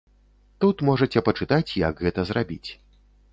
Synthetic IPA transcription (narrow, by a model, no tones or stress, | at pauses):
t̪ut̪mɔʐɐt͡sʲɛpɐt͡ʂɨt̪at͡sʲjɐ̰ɡɣɛt̪ɐzrabʲit͡sʲ